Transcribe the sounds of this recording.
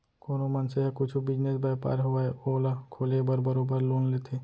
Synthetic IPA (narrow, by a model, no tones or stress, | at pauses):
koːnomɐnseɦɛkʊt͡ʃʰubɪd͡ʒnesbapa̰ːɾɦoʋaeoːlakʰoːlebəɾbɐɾoːbəɾloːnleːt̪ʰeː